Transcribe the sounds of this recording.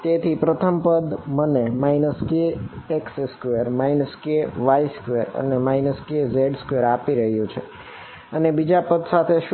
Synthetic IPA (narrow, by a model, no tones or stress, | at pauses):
t̪et̪ʰipɾət̪ʰəmpəd̪mənemajnəskeekseskʋeɾmajnəskeʋaiskʋeɾə̰nemajnəskezeɖskʋeɾapiɾəɦjũt͡ʃʰe | ənebid͡ʒapəd̪sat̪ʰeʃ